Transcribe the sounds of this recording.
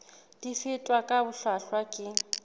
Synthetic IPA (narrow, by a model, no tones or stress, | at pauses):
d̥ifɪtʼwakʼabʊɬaɬwakʼɪ